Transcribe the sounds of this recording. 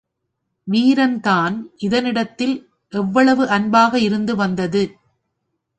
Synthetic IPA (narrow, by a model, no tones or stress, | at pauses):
ʋiːɾɐnt̪aːnʔɪðɐnɪɽɐt̪ːɪl | ʔɛʋːɐɭɐʋɯʔɐnbaːɣɐɪɾɯnd̪ɯʋɐnd̪ɐðɯ